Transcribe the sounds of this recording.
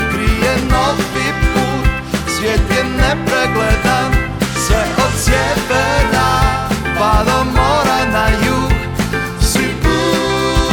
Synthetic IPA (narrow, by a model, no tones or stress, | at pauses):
pɾijɛnɔt̪ʋipu | sʋʲjɛt̪jɛmnɛpɾɛɡlɛd̪am | sɛʔɔt̪sjɛbɛna | pad̪ɔmɔɾanajuɡ | sipu